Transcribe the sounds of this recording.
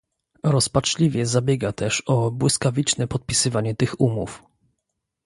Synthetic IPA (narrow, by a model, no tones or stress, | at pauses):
ɾɔspat͡ʂlʲivʲjɛzabʲjɛɡat̪ɛʂɔbwɘskavʲit͡ʂnɛpɔt̪̚pʲisɘvaɲɛt̪ɘxumṵf